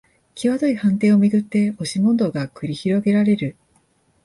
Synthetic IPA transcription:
kʲiβat̪o̞ihãnt̪e̞ːo̞mʲiɡɯ̟t̪ːe̞o̞ɕimõ̞nd̪o̞ːɡakɯ̟ɾʲiçiɾo̞ɡe̞ɾaɾe̞ɾɯ̟

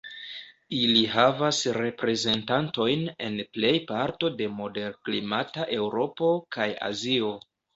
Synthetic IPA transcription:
iliɦavasɾe̞pɾe̞ze̞ntanto̞jne̞̰nple̞jpaɾto̞de̞mo̞de̞ɾklimataʔe̞wɾo̞po̞kaja̰zio̞

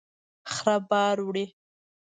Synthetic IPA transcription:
xɾabɑːɾwɽi

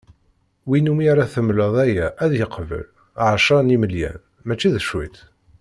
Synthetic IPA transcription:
winumiɾˤaθəmləðˤæjæʔæðjəqvə̰l | ʕʃɑniməljæ̰n | mæt͡ʃːiðəʃwḭt̪

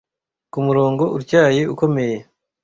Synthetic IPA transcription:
kumuɾo̞ːŋɡo̞ʔuɾcaːje̞uko̞me̞je

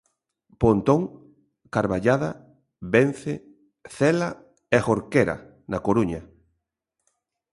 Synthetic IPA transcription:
pont̪oŋ | kaɾβaʎaða | ben̟θe | θɛla | exoɾkeɾa̰ | nakoɾuɲa

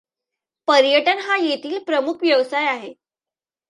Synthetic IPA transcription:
pəɾjəʈənɦajet̪ʰiːlpɾəmukʰʋjəʋsajaɦe

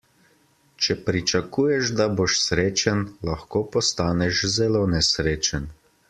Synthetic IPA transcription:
t͡ʃɛpɾit͡ʃɐkuːjɛʃd̪aboːʃsɾeːt͡ʃanlaxkoːpɔst̪aːnɛʃzɛloːnɛsɾeːt͡ʃən

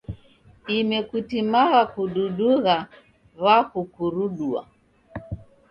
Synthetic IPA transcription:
imɛkutimaɣakuɗuɗuɣa | βakukuɾuɗua̰

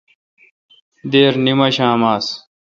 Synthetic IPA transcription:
d̪eːɾnimɐɕãːmaːs

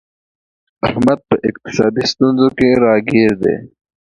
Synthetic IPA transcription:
ɐhmɐt̪̚pɐʔɪk̚t̪ɪ̥sɑːd̪ist̪unzokeɾɑːɡiːɾd̪ḛː

